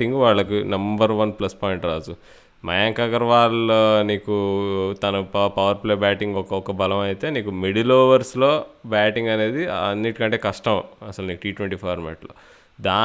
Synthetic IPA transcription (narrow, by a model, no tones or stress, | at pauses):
iŋɡʋaːɭːɐkinɐmbɐɾʋɐnplɐspɔːjɳʈɾaːd͡ʒu | mɐ̰jaːŋkɐɡɐɾʋaːlniːkut̪ɐnɐppɐʋɐɾpleːbaːʈiŋɡɔkɐɔkɐbɐlɐmɐjit̪e̞ːniːkumeɽiloːʋɐɾslo̞ːbaːʈiŋɡɐne̞ːd̪iɐnːiʈi̥kɐɳʈe̞ːkɐʂʈɐmɐsɐlniːkuʈiːʈʋeɳʈiːpʰɔːɾmḛːʈlo̰ː | d̪aː